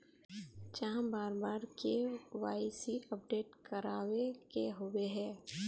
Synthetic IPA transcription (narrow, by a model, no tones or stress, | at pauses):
d͡ʒaɦãbaːɾbaːɾkeʋaːɪsiəp̚ɖeːʈkəɾaːwekeɦoweɦɛ̃ː